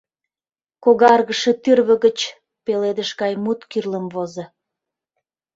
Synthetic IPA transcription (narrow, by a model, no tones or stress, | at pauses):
koɣɑrɣəʃĕt̪yrβə̆ɣət͡ɕ | peled̪əʃɣɑjmut̪kyrləmvozɤ̆